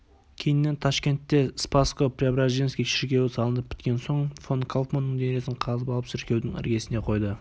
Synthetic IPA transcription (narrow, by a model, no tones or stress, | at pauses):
kʲʰe̞jɪnːe̞nt̪ʰɑʃkʲe̞nt̪ːe̞spaskopɾʲabɾaʒinskʲijʃɪɾkʲe̞wɪsɑlˠənəp̚pʰʲːɪ̥t̪kʲe̞nso̞ɴfonkʰalˠp̪manːəɴd̪eɾe̞sɪɴqʰɑzəpɑlˠəpʃɪɾkʲe̞wd̪ɪŋæ̰ɾɡʲe̞sɪne̞qʰo̞jd̪ə